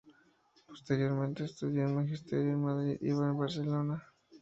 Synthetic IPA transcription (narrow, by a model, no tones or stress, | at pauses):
po̥st̪eɾjoɾmẽnt̪est̪uðjolmaxist̪eɾjoelmaðɾiðḭβaebaɾselona